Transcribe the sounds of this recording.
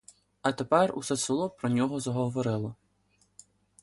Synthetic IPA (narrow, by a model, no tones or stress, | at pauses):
ɐt̪epɛrṵsɛt̪sɪlˠɔpɾɔnʲɔɦɔzɐɦɔʋɔɾɪlˠɔ